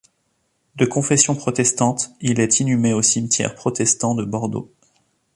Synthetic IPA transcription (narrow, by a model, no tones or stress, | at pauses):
d̪əkɔ̃fɛsjɔ̃pχɔt̪ɛst̪ɑ̃t̪ilɛt̪inymeosimt̪jɛ̰ʁpχɔt̪ɛst̪ɑ̃d̪əbɔʁd̪o̰